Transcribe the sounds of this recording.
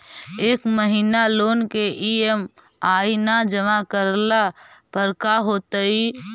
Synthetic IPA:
eːkməɦinaloːnkeʔiem | aːinad͡ʒəmakəɾlapəɾkaɦoːt̪əi

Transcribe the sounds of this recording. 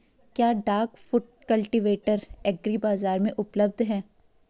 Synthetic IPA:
kjaːɖaːɾkfʊʈ̚kɐlʈiʋeːʈəɾɛɡɾibaːzaːɾmẽʔʊpləb̚d̪ʱɦɛː

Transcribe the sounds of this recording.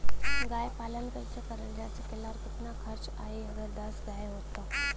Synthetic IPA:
ɡajpalənkəɾt͡ɕəkəɾəɳljat͡səkelaɾkut̪nakʰəɾt͡s | a̰ɦijəɡəd̪əsɡajɦot̪a

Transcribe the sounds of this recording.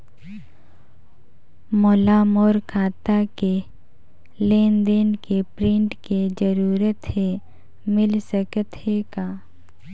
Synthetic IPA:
moːlaːmoːɾkʰaːt̪ake | leːnd̪enkepɾɪ̃ɳʈked͡ʒəɾuːɾət̪ɦe | mɪlsəkət̪ɦeɡaː

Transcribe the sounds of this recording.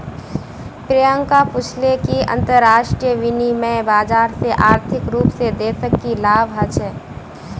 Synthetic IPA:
pɾɪjə̃ŋkapʊt͡ʃʰlekiɐ̰̃nt̪əɾːaːʃʈɾijəʋɪnimɛ̃baːd͡ʒaːɾseʔaːɾt̪ʰɪkɾuːpsed̪eːsəkːilaːʋɦɐt͡ʃʰɛː

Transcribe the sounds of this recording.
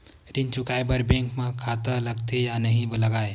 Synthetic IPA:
ɾɪnt͡ʃʊkaːebɐɾbɛ̃ːŋkmãkʰaːt̪əlɐɡt̪ejanɐɦĩbəlɐɡaːe

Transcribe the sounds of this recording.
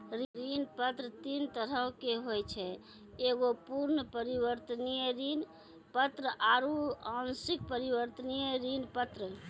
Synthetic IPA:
ɾɾinpət̪ɾət̪int̪əɾəwkeɦojt͡ʃʰɛ | eɡopuɾnəpəɾiʋəɾt̪ənijɾin | pət̪ɾəʔaɾuãnsik̚pəɾibəɾt̪ənijəɾinpət̪ɾə

